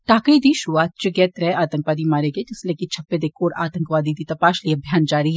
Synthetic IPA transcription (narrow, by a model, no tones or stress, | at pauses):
ʈaːkəid̪iʃɾuʋaːt̪̚t͡ʃɪɡɛːt̪ɾɛaːt̪ə̃ŋkʋaːd̪imaːɾeɡed͡ʒɪslekit͡ʃʰɐpːed̪eːkʰoːɽa̰ːt̪ə̃ŋkʋaːd̪id̪it̪ɐpaːʃliɐbʱjaːnd͡ʒaːɾiɦɛː